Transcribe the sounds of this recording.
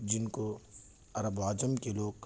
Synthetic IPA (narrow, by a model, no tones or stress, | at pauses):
d͡ʒɪnko | ɐɾəbaːd͡ʒəmkeloːɡk